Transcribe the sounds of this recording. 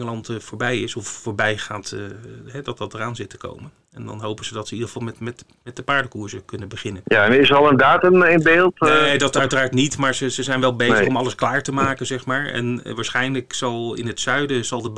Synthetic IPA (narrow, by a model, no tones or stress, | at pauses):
ŋəlɑntfoːɹbɛjɪsɔffoːɹbɛjχaːtɦɛdɑt̚dɑtəraːnzɪtə̥ko̰wmən | ɛ̰ndɑ̰nɦowpənz̥ədɑtsəidəχəvɑlˠmɛtmɛt | mɛt̚dəpaːɹdəkuːɹsəkɵnəbəχɪnənjaɛnɪsəɑlˠəndaːtəmɪnbeːlˠtedɑtœɥtəraːɹtnitmaːɹzəzəzɛjnʋɛlˠbejəzχɔmɑləsklaːɹtəmaːkənzɛχmaːɹɛ̰nʋaːɹsχɛjnləksɑlˠɪ̰nɦətsœɥdəzɑlˠdəb